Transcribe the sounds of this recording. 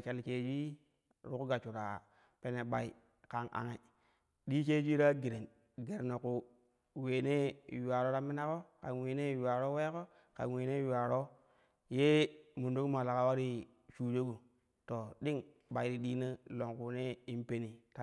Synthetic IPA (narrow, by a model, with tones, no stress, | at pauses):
t͡ʃa˦lt͡ʃe˨d͡ʒi˦ | ɾu˦ku˦ɡa˨t͡ʃu˨ɾa̰˨ | pe˦ne˨ɓa˨i˨ | ka˨nʔa̰˨ŋe˨ | ɗi˦t͡ʃe˦d͡ʒʷi˦ɾa˦ɡi˨ɾe˨n | ɡe˨ɾno˨ku˨ | we˨ne˦ju˨a˨ɾo˦ɾa˦mi˦na˦ko˦ka̰˨nwe˨ne˦ju˨a˨ɾo˦we˦ko˦ | ka̰˨n˨we˨ne˦ju˨wa˨ɾo˦ | je˦mu˨ndo˦ku˦ma˨la˨ka˦wa˦ɾi˦ | t͡ʃuː˨d͡ʒo˦ɡu˨ | to˨ɗi˦ŋ | ɓa˨i˨˦ɾi˦ɗi˦ni˦lo˨ŋku˨ne˦i˦npe˦ni˨ta˦